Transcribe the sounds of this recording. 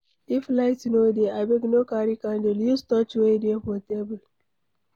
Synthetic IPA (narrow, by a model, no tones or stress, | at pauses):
iflaɪtnodeaɪbeɡnokaɾikandeljustɔt͡ʃwediepɔtebl̩